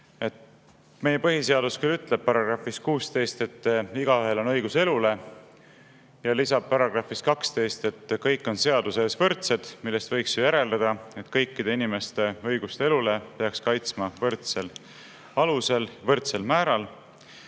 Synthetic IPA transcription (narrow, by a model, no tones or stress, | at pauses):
e̞t̪ | me̞je̞pɤɦise̞ɑd̪uskylːyt̪ˑleb̥̚pɑɾɑɡ̥rɑfiskuːst̪e̞jst̪e̞t̪ːˑiɡ̥ɑyɦe̞lo̞nɤjɡuse̞lule̞ | jɑlisɑb̥̚pɑɾɑɡ̥rɑfiskɑkst̪e̞jst̪e̞t̪ːkɤjkːˑo̞nse̞ɑd̪use̞svɤrt̪se̞d̪̥milːe̞st̪vɤ̞jksjojæɾe̞ld̪ɑd̪̥ɑe̞t̪kɤjkːid̪̥e̞inime̞st̪e̞ɤjɡ̥ust̪e̞lule̞pe̞ɑkskɑjt̪smɑvɤrt̪se̞l | ɑluse̞lvɤrt̪se̞lmæːɾɑl